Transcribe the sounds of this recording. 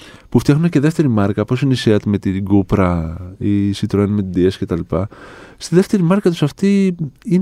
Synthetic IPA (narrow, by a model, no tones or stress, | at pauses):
puft̪jɐxnunece̞ðe̞ft̪e̞ɾimɐɾkɐpo̞sineiseɐt̪me̞t̪iɡupɾɐisit̪ɾoenmet̪id̪iesce̞t̪ɐlipɐst̪iðe̞ft̪e̞ɾimɐɾkɐt̪usɐft̪iin